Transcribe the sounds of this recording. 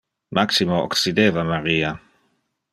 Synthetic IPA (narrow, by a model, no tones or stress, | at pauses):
mʔaksimoo̰ksid̪eːvamaɾiːa